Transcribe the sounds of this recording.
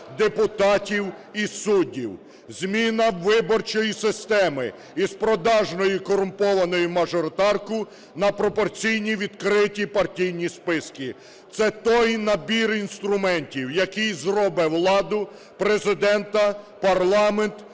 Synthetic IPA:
d̪epʊt̪ɑtʲiw | isudʲiw | zʲmʲinɐʋːɪbɔrt͡ʃɔjisɪst̪ɛmɪ̰ | ispɾɔd̪ɑʒnɔjikɔɾʊmpɔʋɐnɔjʊmɐʒɔɾt̪ɑrkʊ | nɐpɾɔpɔrt͡sʲijnʲiʋʲid̪kɾɪtʲipɐrtʲijnʲispɪski | t̪sɛt̪ɔjnɐbʲirinst̪ɾʊmɛnʲtʲiwjɐkijzrɔbɛwlˠɑd̪ʊ | pɾezɪd̪ɛnt̪ɐ | pɐrlˠɑment̪

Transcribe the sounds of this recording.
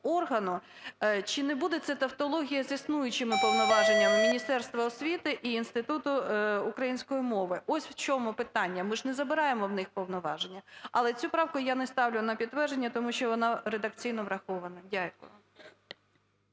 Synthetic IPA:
ɔrɦɐnʊ | t͡ʃɪnɛbud̪ɛt̪sɛt̪ɐft̪ɔlˠɔɦʲijɐzʲisnujʊt͡ʃɪmɪpɔʋwnɔʋɑʒenʲːɐmːʲinʲist̪ɛrst̪ʋɐːsʲʋʲit̪ɪʔiːnst̪ɪt̪ut̪ʊːkɾɐjinʲsʲkɔjimɔʋɪʔɔsʲwt͡ʃʲɔmʊpɪt̪ɑnʲːɐmɪʒnɛzɐbɪɾɑjemɔwnɪxpɔwnɔʋɑʒenʲːɐɐlˠɛt͡sʲupɾɑwkʊjanɛst̪ɑwlʲʊnɐpʲid̪̚t̪ːʋɛrd͡ʒenʲːɐt̪ɔmuʃt͡ʃɔʋɔnɑɾed̪ɐk̚t͡sʲijnɔʋɾɐxɔʋɐnɐdʲakʊ̰j

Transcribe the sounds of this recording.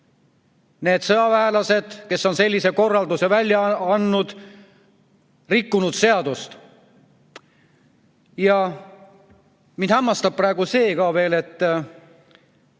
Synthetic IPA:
ne̞ːd̪̥sɤɑvæelɑse̞d̪̥ke̞sːo̞nselʲːise̞ko̞rːɑld̪usevælʲjɑɑnːud̪̥ | rikːunud̪̥se̞ɑd̪̥ust̪ | jɑ | minhæmːɑst̪ɑb̚prɑeɡuse̞ːkɑːve̞ːle̞t̪ː

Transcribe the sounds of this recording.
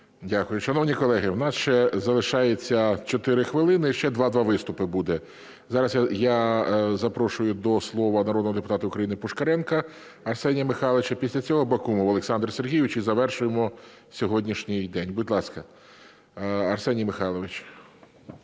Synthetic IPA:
dʲakʊjʊʃɐnɔwnʲikɔlˠɛɦɪwnɑsʃt͡ʃɛzɐlˠɪʃɑjet͡sʲːɐt͡ʃɔt̪ɪɾɪxʋɪlˠɪnɪʃt͡ʃɛd̪ʋɑd̪ʋɑʋɪst̪ʊpɪbud̪ɛ | zɑɾɐsjjazɐpɾɔʃʊjʊd̪ɔslˠɔʋɐnɐɾɔd̪nɔɦɔd̪epʊt̪ɑt̪ɐʊkɾɐjinɪpʊʃkɐɾɛnkɐ | ɐrsɛnʲijɐmɪxɑlˠeʋɪt͡ʃɐpʲisʲlʲɐt͡sʲɔɦɔbɐkumʊʋɐlˠeksɑnd̪rserɦʲijɪʋɪt͡ʃizɐʋɛrʃʊjemɔ | sʲɔɦɔdʲnʲiʃnʲɪjd̪ɛnʲbʊdʲlˠɑskɐ | ɐrsɛnʲijmɪxɑlˠɔʋɪt͡ʃ

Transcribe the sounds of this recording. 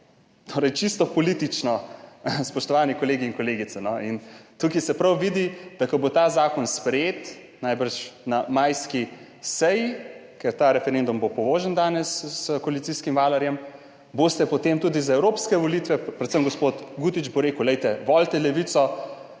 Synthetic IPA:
t̪oːɾɛjt͡ʃist̪ɔpɔlit̪it͡ʃnɔspɔʃt̪ɔʋaːnikɔleːɡiːŋkoleːɡit̪ɛnɔint̪ukisɛpɾawʋid̪id̪̥akɔbot̪azaːkɔnspɾɛjeːt̪ | najbəɾʃnamajski | sɛjikɛɾt̪aːɾɛfɛɾend̪umbopɔʋoːʒənd̪aːnɛskɔalit̪siskimʋaːlɐɾjɛm | bost̪ɛpɔt̪emt̪uːd̪izaɛwɾoːpskɛʋɔlit̪ʋɛpɾɛt̪səmɡɔspot̪ɡut̪id͡ʒboɾeːkuwlɛjt̪ɛʋɔlt̪ɛlɛʋit̪sɔ

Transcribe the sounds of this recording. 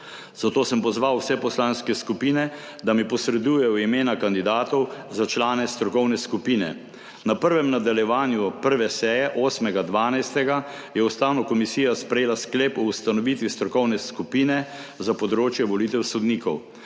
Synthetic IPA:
z̥at̪oːsəmpɔzʋawsɛpɔslaːnskɛskupiːnɛ | d̪amipɔsɾɛd̪uːjɛjɔimeːnakand̪id̪aːt̪ɔwzat͡ʃlaːnɛst̪ɾɔkɔwnɛskupiːnɛ̰ | napəɾʋɛmnad̪aljɛʋaːnjupəɾʋɛsɛːjɛʔoːsmɛɡad̪ʋaːnajst̪ɛɡa | jɛust̪aːwnɔkɔmisiːjaspɾɛjeːlaskleːpɔust̪anɔʋiːt̪ʋist̪ɾɔkɔwnɛskupiːnɛzapɔd̪ɾoːt͡ʃjɛʋɔliːt̪ɛwsɔd̪niːkɔw

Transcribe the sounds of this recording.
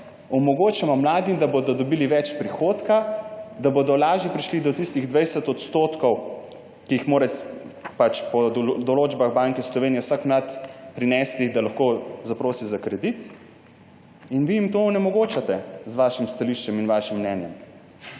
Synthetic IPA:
ɔmɔɡoːt͡ʃamɔmlaːd̪id̪abod̪ɔd̪ɔbiːliʋɛt͡ʃpɾixoːt̪kad̪abod̪ɔlaːʒjipɾiʃlid̪ɔt̪ist̪iɣd̪ʋɛjsɛt̪ɔt̪st̪oːt̪kɔw | kiixmoːɾɛpat͡ʃpɔd̪ɔloːd͡ʒbaɣbaŋkɛslɔʋeːnijɛwsakmlat̪pɾinɛst̪id̪alaxkozapɾoːsizakɾɛd̪it̪ | inʋiimt̪oːnɛmɔɡoːt͡ʃat̪ɛzʋaːʃimst̪aliʃt͡ʃɛminʋaʃimːnɛːnjɛm

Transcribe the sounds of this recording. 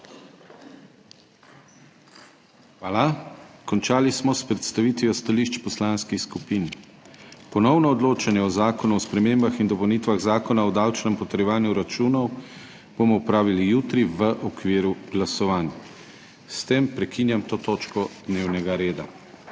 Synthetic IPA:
xʋaːlakɔnt͡ʃaːlismɔspɾɛt̪st̪aʋiːt̪ʋijɔst̪aliʃt͡ʃpɔslaːnskixskupiːn | pɔnɔwnɔːd̪loːt͡ʃanjɛɔzaːkɔnuɔspɾɛmembaxind̪ɔpɔwnit̪ʋaɣzaːkɔnaɔd̪aːwt͡ʃnɛmpɔt̪əɾjɛʋaːnjuɾat͡ʃuːnɔw | b̥oːmɔupɾaːʋilijuːt̪ɾiʋəʔɔkʋiːɾuɡlasɔʋaːnja | st̪empɾɛkinjamt̪oːt̪oːt͡ʃkɔd̪neːwnɛɡaɾeːd̪a̰

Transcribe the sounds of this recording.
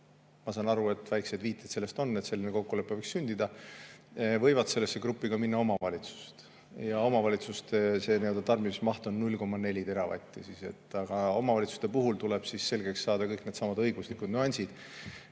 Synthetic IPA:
mɑsɑnɑɾue̞t̪væjkse̞d̪viːt̪ːˑet̪se̞lːest̪o̞nːet̪se̞lːineko̞kːule̞pːevɤksynʲd̪id̪ɑ | vɤ̞jvɑd̪se̞lːe̞sːe̞krupːˑiɡ̥ɑminːɑomɑvɑlʲit̪su̥st̪ | jɑo̞mɑvɑlʲit̪sust̪ese̞niø̞ld̪ɑt̪ɑrmimismɑht̪o̞nːulʲːko̞mːɑne̞lʲid̪e̞ɾɑvɑ̰t̪ʲːˑisise̞̰t̪ˑːɑɡ̥ɑo̞̰mɑvɑlit̪su̥st̪e̞puɦult̪uleb̥sisːe̞lɡe̞ksːɑːd̪̥ɑkɤjkne̞d̪sɑmɑd̪ɤjɡ̥uslikud̪nuɑnʲsid̪̥

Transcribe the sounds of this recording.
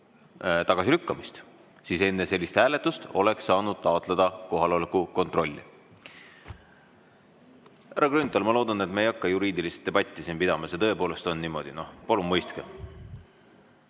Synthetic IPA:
t̪ɑɡ̥ɑsilykːɑmist̪ | siːse̞nːese̞lʲːist̪hæːle̞t̪ːˑust̪o̞̰le̞ksːɑːnud̪̥̚t̪ɑot̪ˑled̪̥ɑko̞ɦɑlo̞lekuko̞nt̪rʔo̞lʲːḭ | hæɾɑɡrynt̪ːˑolmɑlo̞ːd̪ɑne̞t̪meejɑkːɑjuɾiːd̪ilist̪d̪e̞b̥ɑt̪ʲːˑisinpid̪ɑmɑsjet̪ɤe̞po̞ːle̞st̪o̞nnimo̞̰d̪̥ino̞hpɑlumːɤjst̪ke

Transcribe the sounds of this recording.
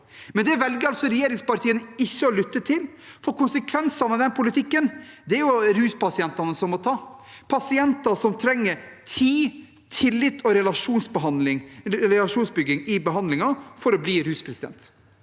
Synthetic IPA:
mɛnd̪ɛʋɛlɡəɾɑlsɔɾɛjeːɾɪŋspɑɾt̪ʰiːənəɪçːəɔlʏt̪ːət̪ʰɪlfɔɾkʊnsəkʰʋɛnsɑnɑʋd̪ɛnpʰʊlɪt̪ʰɪkːənd̪ɛæɾjʊɾʉːspɑsɪɛnt̪ɑnəsɔmːɔt̪ʰɑːpʰɑsɪɛnt̪ɑsɔmt̪ʰɾɛŋːəɾt̪ʰiː | t̪ʰɪlːɪt̪ʰːɔɾɛlɑʂuːnsbəɦɑnlɪŋɾɛlɑʂuːnsbʏɡɪŋɪbəɦɑnd̪lɪŋɑfɔɾɔbliːɾʉːspʰɾɛsɪd̪ɛ̰nt̪

